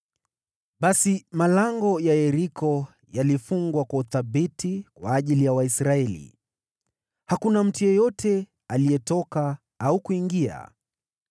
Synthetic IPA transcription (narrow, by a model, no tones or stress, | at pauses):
ɓasimalaŋɡɔjajɛɾikʰɔ | jalifuŋɡwakwauθaɓitikwaːʄilijawaisɾaɛlḭ | hakunam̩tujɔjɔtʰɛ | aliɛtɔka | aukuiŋɡia̰